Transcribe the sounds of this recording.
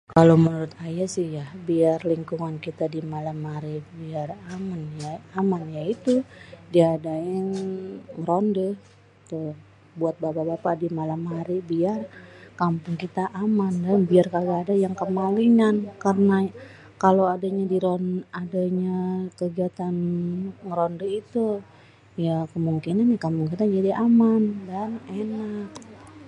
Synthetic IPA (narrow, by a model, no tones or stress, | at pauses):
kalomənuɾʊt̪ajasɪhjahbiarliŋkuŋankit̪adimalamhaɾibiaramanjaamanjait̪udiːdaɪŋ | rɔndəh | t̪ə | buat̪̚bababapadimalamɦaɾibiarkampʊŋkit̪aʔamandanbiarkarɡaːdajaŋkəmaliŋankarəna | kaloadaɲadiɾɔnadaɲakəɡiat̪anŋɾɔndəit̪u | jakəmuŋkinanjakampʊŋkit̪ad͡ʒadiʔamandanenak̚